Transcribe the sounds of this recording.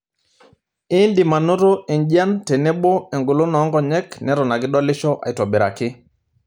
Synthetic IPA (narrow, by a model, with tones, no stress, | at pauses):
i˦ndi˨ma˨no˦ɾo˦i˨nɟa˦nte˨nɛ˦ɓo˦ɛ˨ŋɡu˨lo˦nɔ˨˦ŋɡɔ˦ɲɛ˦knɛ˨˦ɾɔ˨na˨ɡɪ˦ɗɔ˦lɪ˦t͡ʃɔ˦ʔa̰˨jtɔ˨bi˨ɾa̰˨kɪ˦